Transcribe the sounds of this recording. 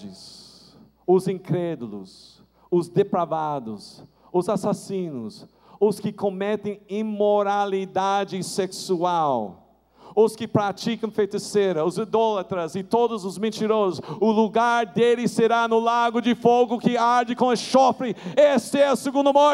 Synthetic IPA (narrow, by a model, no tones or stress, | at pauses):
d͡ʒɪs | ʊzĩŋkɾɛd̪ʊlʊ̰s | ʊzd̪epɾavad̪ʊs | ʊzasasĩnʊs | ʊskɪkõmɛt̪ẽj̃imoɾalid̪ad͡ʒɪseksuaw | ʊskɪpɾat͡ʃikɐ̃w̃fejt̪ɪseɾɐʊzid̪ɔlɐt̪ɾɐzɪt̪od̪ʊzʊzmẽnt͡ʃiɾozʊsʊluɡaɾd̪elɪseɾanʊlaɡʊd͡ʒɪfoɡʊkɪaɾd͡ʒɪkõɐʃɔfɾɪestɪɛɐsɪɡũnd̪ɐmɔ